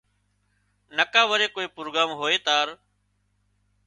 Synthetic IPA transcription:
nəkãːʋəɾeːkoːeːpɾoːɡaːmɦoːeːt̪aːɾ

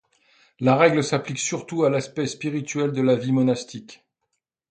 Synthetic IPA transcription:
laʁɛɡləsapliksyʁt̪ualaspɛspiʁit̪ɥɛld̪əlavimɔnast̪ik

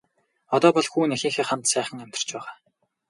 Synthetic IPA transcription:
ɔt̪ɔːpɔɮxuːnexiːŋxeːχant̪sæːχə̆ŋæm̥ʲt̪ɪ̥̆r̥t͡ɕpæːʁaː

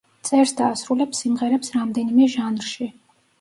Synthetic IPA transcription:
t̪sʼɛɾsd̪aːsɾulɛpsimʁɛɾɛpsɾamd̪ɛnimɛʒanɾʃi

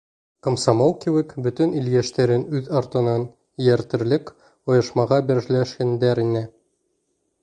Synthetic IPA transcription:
kŏmsɑmolˠkiwɘkbɵt̪ɵnilɡæʃt̪æɾɘnʉðɑɾt̪ɤ̆nɑn | jæɾt̪ɘ̆ɾlɘk | ŏjɤ̆ʃmɑʁɑbiɾʒlæʃkænd̪æɾinɘ

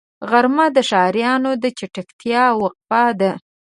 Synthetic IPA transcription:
ɣaɾmad̪əʃɑɾjɑnod̪ət͡ʃaʈakt̪ʰjɑwaq̚fɑd̪ə

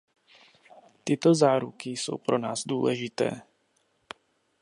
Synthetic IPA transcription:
t̪ɪt̪o̞zaːɾukɪso̞̰wpɾo̞naːzdṵːlɛʒɪt̪ɛ̰ː

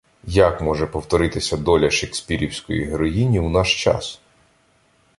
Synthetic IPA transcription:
jɐkmɔʒɛpɔwt̪ɔɾɪt̪ɪsʲɐd̪ɔlʲɐʃeksʲpʲiɾʲiwsʲkɔ̰jḭɦeɾɔjinʲiwnɑʃt͡ʃɑ̰s

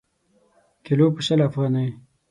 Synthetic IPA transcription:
kelopəʃəlafɣɑːnaj

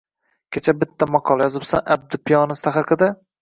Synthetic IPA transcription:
kʲʰet͡ʃʰabɪt̪ʰːamɒqʰɒlˠajɒzɪbsanʔa̰b̚d̪ɪpʰɪjɒnɪst̪ʰaχaqʰɨd̪a

